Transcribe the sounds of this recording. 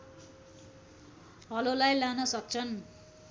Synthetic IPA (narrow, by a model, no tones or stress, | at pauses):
ʌlolajlanʌsʌk̚t͡sʰʌn